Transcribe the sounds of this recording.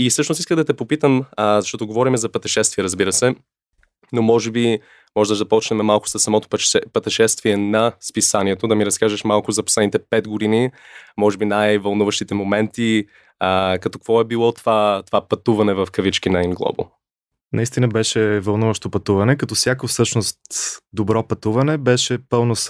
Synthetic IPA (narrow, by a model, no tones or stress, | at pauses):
isɤʃnosiskəɣd̪ɐt̪ɛpopit̪əməzɐʃt̪ɔt̪ʊɡovɔɾimɛzɐpɐt̪ɛʃɛst̪viɛɾəzbiɾəsɛ | nomɔʒɛbi | mɔʒɛd̪əʒd̪ɐpɔt͡ʃnɛmɛmalˠkʊ̥sɐsːɐmɔt̪opɛpɐt̪ɛʃɛst̪viɛnɐspisaniɛt̪od̪ɐmiɾɐskaʒəʃmalˠkʊzɐposlɛd̪nit̪ɛpɛd̪ɡoʊd̪inimɔʒɛbinajvɐlˠnuvəʃt̪it̪ɛmomɛnt̪i | əkɐt̪ɔ̥kv̥ɔɛbilˠɔt̪vat̪ovapɐt̪uvɐnɛvɐfkɐvit͡ʃkinɐiŋɡlˠɔ̰bo̰ | nʔɐist̪inəbɛʃɛvɐlˠnuvəʃt̪opɐt̪uvɐnɛkɐt̪ɔfsjakofsɤʃnost̪d̪obɾɔpɐt̪uvɐnɛbɛʃɛpɤlˠnos